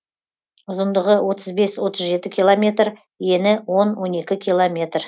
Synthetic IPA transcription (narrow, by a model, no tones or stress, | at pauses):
ʊzənd̪əʁəwo̞t̪ʰəzbe̞swo̞t̪əzʒe̞t̪ɪkʲilˠomʲe̞t̪r | je̞nɪwo̞nwo̞ne̞kʲɪkʲilˠomʲe̞t̪r